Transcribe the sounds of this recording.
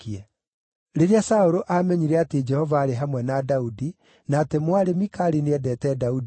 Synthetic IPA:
ɛ | ɾeɾeasaoɾoʔamɛɲiɾɛated͡ʒɛhɔvaːɾeɦamwɛnaːdaudi | naːtemwaɾemikaɾineɛdɛtɛːdaudi

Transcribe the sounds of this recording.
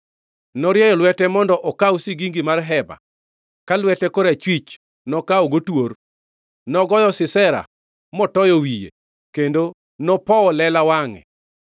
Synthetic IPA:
nɔɾjɛjɔlwɛtɛmɔndɔʔɔkawusiɡiŋɡimarɦɛba̰ | kalwɛtɛkoɾat͡ʃwit͡ʃ | nɔkaɔɡotwor | nɔɡɔjɔsɪsɛɾa̰ | mɔtɔjɔwijḛ | kendo | nɔpɔɔlɛlawaŋɛ̰

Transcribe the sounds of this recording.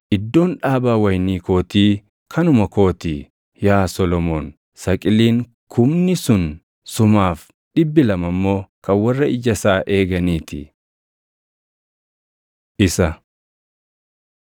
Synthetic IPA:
ʔɪd̪ːo̞ːnᶑaːbaːwɐjniːko̞ːt̪iː | kʰɐnʊmɐko̞ːt̪iː | jaːsɔlɔmoːn | sɐkʼɪliːŋ | kʰʊmnɪsʊn | sʊmaːf | ᶑɪbːɪlɐmɐmːo̞ːkɐnwɐrːɐɪd͡ʒɐsaːʔeːɡɐniːt̪ɪ̰ | ʔɪsɐ

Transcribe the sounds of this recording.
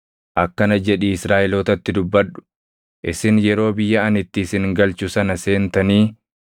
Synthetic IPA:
ʔɐkːɐnɐd͡ʒɛᶑiːɪsɾaːʔɛloːt̪ɐt̪ːɪd̪ʊbːɐᶑʊ̥ | ʔɪsɪnjɛɾo̞ːbɪjːɐɐnɪt̪ːɪsɪnɡɐlt͡ʃʊsɐnɐse̞ːnt̪ɐniː

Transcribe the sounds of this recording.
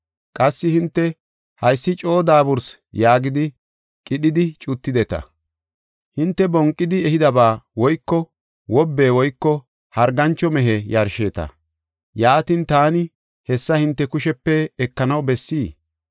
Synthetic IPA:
kʼɐsːɪhɪnt̪ːɛ | hɐjsːɪt͡ʃʼo̞ːd̪aːbʊɾs | jaːɡɪd̪ɪ | kʼɪɗɪd̪ɪt͡ʃʼʊt̪ːɪd̪ɛt̪ɐ̰ | hɪnt̪ːɛbɔŋkʼːɪd̪ɪɛhɪd̪ɐbaːwɔjkːɔ | wɔbːe̞ːwɔjkːɔ | hɐɾɡɐnt͡ʃːɔmɛɦɛjɐɾʃeːt̪ɐ̰ | jaːt̪int̪aːnɪ | hɛsːɐhɪnt̪ːɛkʊʃɛpːɛːkːɐnɐwbɛsːiː

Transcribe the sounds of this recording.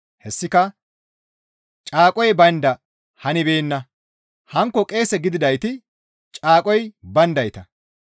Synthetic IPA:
hɛsːɪkɐ | t͡ʃʼaːkʼɔjbɐnd̪ɐ | hɐnɪbe̞ːnːɐ | hɐŋkːɔkʼe̞ːsɛɡɪd̪ɪd̪ɐjt̪ɪ | t͡ʃʼaːkʼɔjbɐnd̪ɐjt̪ɐ

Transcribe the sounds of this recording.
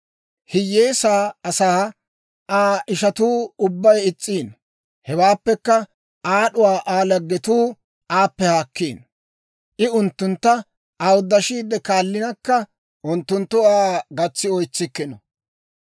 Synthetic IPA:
hɪjːeːsaːɐsaː | ʔaːɪʃɐt̪uːʊbːɐjɪt͡sʼːiːn | hɛwaːpːɛkːɐ | aːɗʊwaːʔaːlɐɡːɛt̪uː | aːpːɛhaːkːiːn | ʔɪʊnt̪ːʊnt̪ːɐ | awʊd̪ːɐʃiːd̪ːɛkaːlːɪnɐkːɐ | ʔʊnt̪ːʊnt̪ːʊaːɡɐt͡sːɪɔjt͡sːɪkːɪnɔ

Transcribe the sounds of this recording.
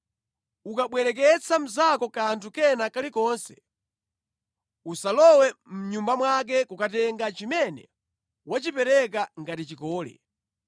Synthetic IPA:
ukaɓwɛɾɛk̬ɛt͡sʰam̩zakɔkantʰukɛnakalikɔːnsɛ̥ | usalɔwɛm̩ɲumbamwak̬ɛkukatɛŋɡat͡ʃimɛnɛ̰ | wat͡ʃipɛɾɛk̬aŋɡatit͡ʃikɔːlɛ̰

